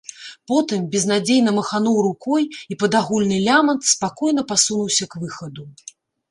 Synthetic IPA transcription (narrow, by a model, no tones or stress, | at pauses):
pɔt̪ɨmbʲɛznad͡zʲejnɐmɐxanuwɾukɔjipɐd̪aɣulʲnɨlʲamɐnt̪spakɔjnɐpasunuwsʲɐkvɨxɐd̪u